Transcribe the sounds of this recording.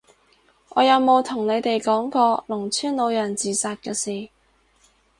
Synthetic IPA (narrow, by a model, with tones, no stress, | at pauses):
ʔɔː˨˧jɐ˨˧wmo˨˧wt̪ʰʊ˨˩ŋne˨˧jt̪e˨jkɔː˨˥ŋkɔː˧lʊ˨˩ŋt͡sʰyː˥nlo˨˧wjɐ˨˩nt͡siː˨saː˧t̚kɛː˧siː˨˩